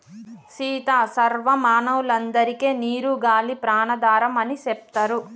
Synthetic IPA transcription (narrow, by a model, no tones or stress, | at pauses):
ʃiːt̪aːsɐɾʋɐmaːnɐwulɐnd̪ɐɾikeːniːɾuɡaːlipɾaːnɐd̪aːɾɐmɐnisep̚t̪ɐɾu